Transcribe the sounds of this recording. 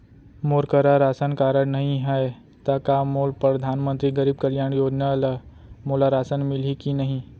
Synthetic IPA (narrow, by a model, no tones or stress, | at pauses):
moːɾkəɾaɾaːsənkaːɾəɽnɐɦĩɦɛe | t̪ɐkamoːlpɾɐd̪ʱaːnmə̃nt̪ɾiɡɐɾiːb̚kɐljaːɳ̃joːd͡ʒnaləmoːlaɾaːsənmɪlikinɐɦĩ